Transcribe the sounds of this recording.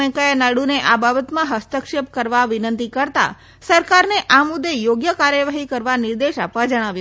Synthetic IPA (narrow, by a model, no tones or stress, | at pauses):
əjkəjanaɽuneʔababət̪mãɦəst̪əkʃep̚kəɾʋaʋɪnənt̪ikəɾt̪a̰ | səɾkaɾneʔamʊd̪ːejoɡjəkaɾjəʋaɦikəɾʋanɪɾd̪eʃapʋad͡ʒəɽ̃aʋju